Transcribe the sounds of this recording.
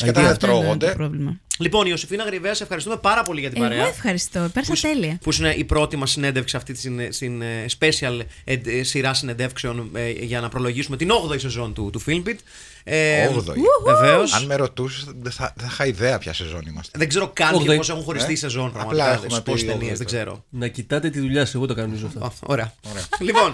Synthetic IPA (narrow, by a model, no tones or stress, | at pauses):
ɐt̪ðet̪ɾoɣod̪epɾovlimɐlipo̞nio̞sifinɐɣɾiveɐsefxɐɾis̬t̪ume̞pɐɾɐpo̞liʝɐt̪imɐɾeɐefxɐɾist̪opeɾsɐst̪eliɐpusineʔipɾo̞t̪imɐsːine̞nd̪efksi̥sɐft̪it̪snsinspe̞siɐlesiɾɐsinend̪efkseo̞nʝɐnɐpɾo̞lo̞ʝisume̞t̪ino̞ɣðo̞ise̞zo̞nt̪ut̪ufilmbit̪ | eɣðoiveve̞o̞sɐnmeɾo̞t̪usiðeθɐθɐxɐiðeɐpçɐ̰sezo̞̰nimɐ̰st̪ðeɡze̞ɾo̞kɐt̪çepo̞s̬e̞xunxo̞ɾist̪iːse̞zo̞npɾɐɣmɐlɐɐɐðsposst̪eniezðeɡze̞ɾo̞̰nɐcit̪ɐt̪et̪iðuʎɐseɣot̪ɐkɐnonizoft̪ɐoo̰ɾeɐɾeɐlipo̞n